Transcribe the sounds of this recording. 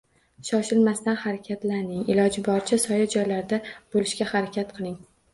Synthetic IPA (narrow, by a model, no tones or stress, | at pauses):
ʃɒʃɪlmast̪anhaɾakʲʰat̪lanɪŋɪlɒd͡ʒɪbɒɾt͡ʃʰɪsɒjad͡ʒɒjlaɾd̪ab̥olɪʃkʲahaɾakʲʰat̪qʰɨlˠɪŋ